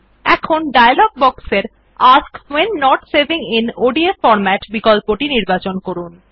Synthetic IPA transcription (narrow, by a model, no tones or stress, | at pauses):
ɛkʰonɖajalɔɡ̚bɔkseɾ | askwenːɔʈseɾbiŋinoɖiefɔɾmɛʈbikɔlpoʈiniɾbat͡ɕonkoɾun